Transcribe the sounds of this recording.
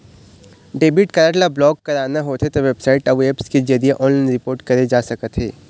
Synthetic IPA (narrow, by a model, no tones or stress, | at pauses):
ɖeːbiːʈkɐɾaːʈlablɔːɡkɐɾaːnaɦot̪ʰet̪oʋebsaːɪʈɐʋeːpsked͡ʒɐɾieʔɔ̃ːnlaːɪnɾɪpoːɾʈkɐɾed͡ʒaːsɐkət̪ɦḛː